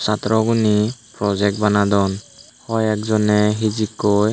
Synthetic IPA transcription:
satɹɔɡunipɹɔzɛk̚t̚banadɔn | hɔjɛk̚zɔnɛɦizikːɔj

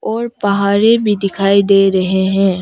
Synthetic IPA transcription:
ɔːɾpɐɦaːɾẽbʱid̪ɪkʰaːid̪eːɾɐɦeɦɛ̃ː

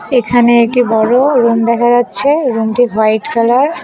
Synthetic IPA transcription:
ekʰaneekʈibɔɽoɾumd̪ɛkʰad͡ʑatːɕʰeɾumʈiɦajʈkalaɾ

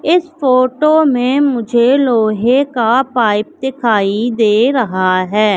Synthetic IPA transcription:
ɪsfoːʈoːmẽmʊd͡ʒʱeloːɦẽkapaːɪp̚d̪ɪkʰaːid̪eːɾɐɦaɦɛː

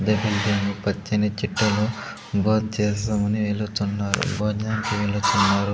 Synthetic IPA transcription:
d̪ebilɖemupɐt͡ʃːinit͡ʃiʈːɐlu | bʱoːd̪t͡ʃeːsaːmɐniʋelut̪unːaːɾṵboːd͡ʒaːmkiʋelut̪unːaːɾu

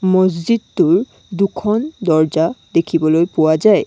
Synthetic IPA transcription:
mɔzzid̚tuɹ | dukʰɔndɔɹd͡ʒad̪ekʰibɔlojpuwazaj

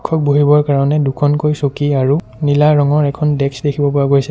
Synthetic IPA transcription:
kʰːɔk̚boɦibɔɹkaɹɔnɛdukʰɔnkojsokiaɹu | nilaɹɔŋɔɹɛkʰɔndɛksdekʰibɔpɔɹaɡojsɛ

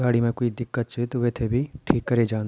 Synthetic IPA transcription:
ɡaːɽimẽkoːid̪ɪkːət̪t͡ʃʰet̪oʋeːt̪ʰebʱiʈʰiːkːɐɾed͡ʒaːn

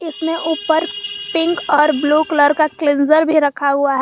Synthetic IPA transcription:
ɪsmẽʔuːpəɾpɪ̃ŋkɔːɾbluːkləɾkaklɪ̃nzəɾbʱiɾɐkʰaɦʊaɦɛ

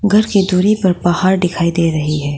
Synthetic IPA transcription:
ɡʱɐɾkid̪uːɾipɐɾbaːhaːɾɖɪkʰaːid̪eːɾɐɦiɦɛː

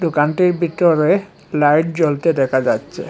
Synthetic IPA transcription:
d̪okanʈiɾbit̪oɾe | lajʈd͡ʑolt̪ed̪ɛkʰad͡ʑatːɕʰḛ

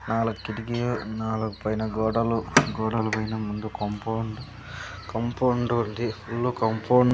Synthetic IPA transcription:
naːluɡukːiʈiɡijunaːluɡupɐjnɐɡɔːɽɐluɡɔːɽɐlupɐjnɐmund̪ukɐmpoːɳɖu | kɐmpoɳɖund̪ipʰulːukɐmpʰoːɳ

